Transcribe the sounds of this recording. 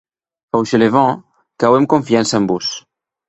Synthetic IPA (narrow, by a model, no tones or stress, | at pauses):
awʃelevɑ̃ | kawemkõɱfiansambus